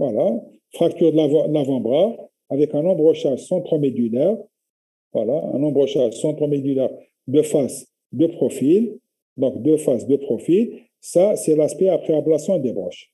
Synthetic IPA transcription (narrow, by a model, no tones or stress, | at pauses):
vwala | fχak̚t̪yʁlaṽlavɑ̃bʁa | avɛkɛ̃nɔ̃bʁəʃasɑ̃t̪χɔmed̪ylɛʁ | vwa̰laɛ̰̃nɔ̃bʁəʃasɑ̃t̪χɔmed̪ylɛʁ | d̪əfas | d̪əpχɔfil | d̪ɔ̃kd̪əfasd̪əpχɔfil | sasɛlaspɛapχeablasjɔ̃d̪ebʁɔ̰ʃ